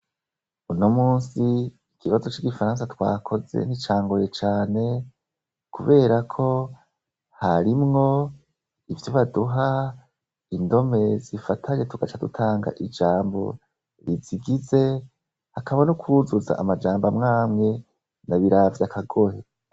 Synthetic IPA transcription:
unomuːnsi | ikʰiβazo̞t͡ʃiɡifaɾãːnsatwa̰ːkʰo̞ze̞̰nit͡ʃaːŋɡojet͡ʃaːne̞ | kuβe̞ːɾakʰo̞ | haɾimŋo̞ | ivjoβaduɦa | indo̞me̞zifatʰaɲe̞tuɡ̥at͡ʃadutʰaːŋɡa̰ʔid͡ʒaːmbo̞̰ | ɾiziɡize̞ | hakaβanukʰuzuza̰ʔːmad͡ʒaːmbamŋaːmŋe̞ | naβiɾavjakʰaɡohe

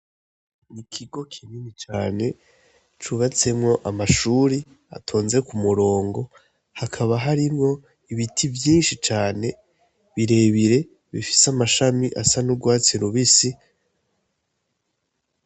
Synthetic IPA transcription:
nikʰiɡo̞kʰininit͡ʃaːne̞ | t͡ʃuβat͡se̞mŋo̞ʔamaʃuːɾi | a̰tʰo̞ːnze̞kumuɾo̞ːŋɡo̞ | hakʰaβaɦaɾimŋo̞ | iβitʰivjiːnʃit͡ʃaːne̞ | βiɾe̞ːβiɾe̞ | βifi̥samaʃamiʔa̰sanuɡwaːt͡seɾuβisi

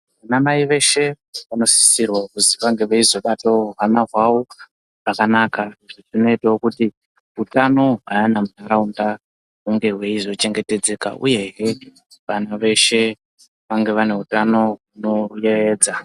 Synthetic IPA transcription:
ʋanamaiʋe̞ʃe̞ | ʋano̞si̥sirwakuziʋaŋɡe̞ʋeizo̞ɓatoɦanaɦwawo | ʐ̥akanakaiʐiʐino̞itaokuti | ɦutano̞ɦaanamunaɾaunda | ɦuŋɡe̞ɦwe̞izo̞t͡ʃe̞ŋɡe̞te̞d͡ze̞ːka̰ʔṵje̞ɦe | ʋanaʋe̞ʃe̞ | ʋaŋɡe̞ʋane̞utano̞ɦuno̞jeʋe̞ːd͡za

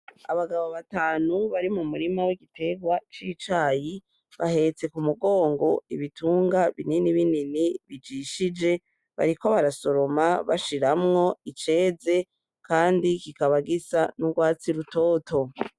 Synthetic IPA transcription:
a̰βaɡaβo̞βataːnuβaɾimumuɾimawiɡitʰe̞ɡwat͡ʃiːt͡ʃaːji | βahe̞t͡se̞kumuɡo̞ːŋɡo̞iβitʰuːŋɡaβininiβininiβid͡ʒiʃid͡ʒe̞ | βa̰ɾiko̞βaɾaso̞ɾo̞maβa̰ʃiɾamŋo̞it͡ʃe̞ːze̞ | kʰaːndikikaβaɡisanuɡwaːt͡siɾuto̞ːto̞

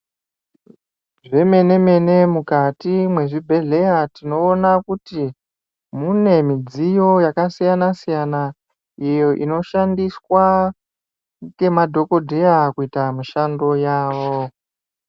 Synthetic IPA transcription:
ʐe̞me̞ne̞me̞ne̞mukatimwe̞ʐibʱe̞ɮe̞jatino̞ːnakuti | mune̞mid͡zijo̞jakasijanasijana | ijo̞ʔino̞ʃandiswa | ke̞madʱo̞ko̞dʱe̞jakuitamuʃando̞jaːwo

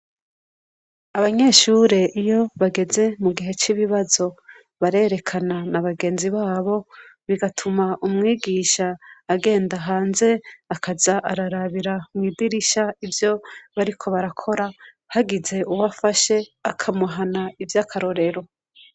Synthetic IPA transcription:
aβaɲe̞ːʃuːɾe̞ʔijo̞βaɡe̞ze̞muɡiɦe̞t͡ʃiβiβazo̞ | βaɾe̞ːɾe̞kʰananaβaɡe̞ːnziβaːβo̞βiɡatʰumaʔumŋiːɡiʃaːɡe̞ːndaɦaːnze̞akʰazaʔaɾaɾaβiɾamŋiːdiɾiʃaivjo̞βaɾikʰo̞βaɾakʰo̞ɾa | haɡize̞ʔuwafaʃe̞akʰamuɦanaivjakʰaɾo̞ɾe̞ɾo̞

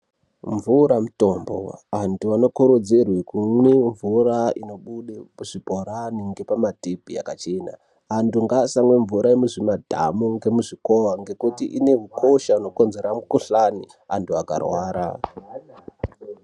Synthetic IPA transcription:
ɱvuɾamuto̞mbo̰antuano̞koɾod͡zerwekumweɱvuraino̞ɓuɗemuʐ̥ibʱoɾaniŋɡe̞pamatibʱḭa̰kat͡ʃe̞na̰ | antuŋɡasaŋweɱvuɾʔaemuʐimadʱa̰muŋɡe̞muʐiko̞waŋɡe̞kutiʔine̞ɦukʰoʃauno̞ko̞nze̞ɾamukuɬani | antʰuaka̰rwaːɾa̰

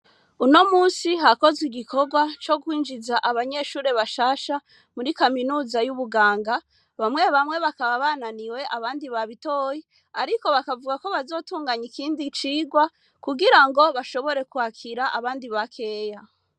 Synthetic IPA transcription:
uno̞muːnsiɦako̞ziɡikʰo̞ɡwat͡ʃo̞kwiːnd͡ʒizaʔaβaɲe̞ʃuːɾe̞βaʃaːʃa | muɾikaminuːzajuβuɡaːŋɡa | βamŋe̞βamŋweβakaβaβananiwe̞ʔaβaːndiβaβitoːji | aɾiko̞βakavuɡako̞βazo̞ːtuːŋɡaɲikiːndit͡ʃiːɡwa | kuɡiɾaŋɡo̞βaʃo̞βo̞ɾe̞kwhakʰiɾaʔaβaːndiβakʰe̞ːja

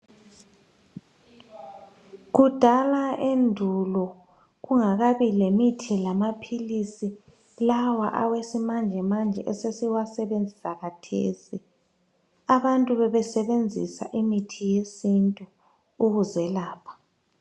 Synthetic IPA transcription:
ɣud̥ʱalaendʱulɔ | ɣuŋaɣaβilemitʰilamapʰilisi | lawa̰ʔawesimand͡ʒʱɛmand͡ʒʱɛ̰ʔɛsesiwasɛβend͡zʱisaɣatʰḛːsi | aβantʼuβɛβɛsɛβend͡zʱisa̰ʔimitʰijesintʼu | uɣuzɛlaːpʰḁ

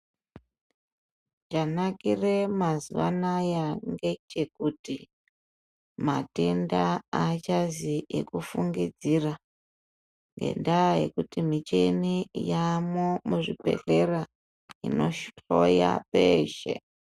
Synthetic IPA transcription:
t͡ʃanakire̞mazuʋa̰najaŋɡet͡ʃe̞kuti | mate̞ndaat͡ʃaziḛkufuŋɡid͡zira | ŋɡe̞̰ndaje̞̰kutimit͡ʃenijamomuʐipe̞̰ɬe̞ra | ḭno̞ʃɬoja̰peːʃḛ

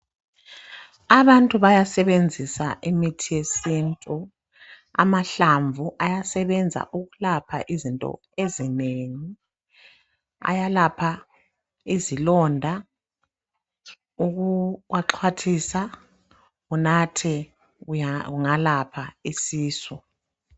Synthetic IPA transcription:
aβantʼuβajasɛβend͡zʱisaʔimitʰijesintʼu | a̰maɬaɱvʱuʔajasɛβɛnd͡zʱa̰ʔuɣulapʰa̰ʔizintʼɔ̰ | ezineːŋi | a̰jalapʰa | izilɔndʱa | uɣuwaǁʰwatʰisa | ɣunatʰɛ | ɣuŋalapʰaisiːsɔ

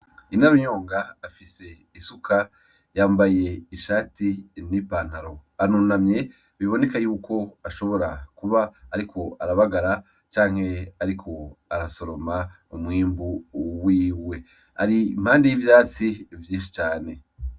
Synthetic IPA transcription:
inaɾoɲo̞ːŋɡaːfise̞ | isukʰa | jaːmbaje̞iʃaːtinipaːn̥haɾo̞anuːnamɲe̞ | βiβo̞ne̞kajuːko̞aʃo̞βo̞ɾakuβaːɾikʰo̞aɾaβaɡaɾa | t͡ʃaːŋ̥he̞aɾikʰo̞aɾaso̞ɾo̞ma | umŋiːmbuwiːwe̞ | a̰ɾim̥haːndejivjaːt͡sivjĩːnʃit͡ʃaːne̞

